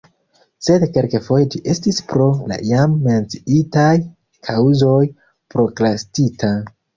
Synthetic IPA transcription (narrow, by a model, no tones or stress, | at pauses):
se̞dkelkefo̞jd͡ʒiʔe̞stispɾo̞la̰ijamːe̞nt͡si̥itaj | kʰawzo̞j | pɾo̞klastitʰa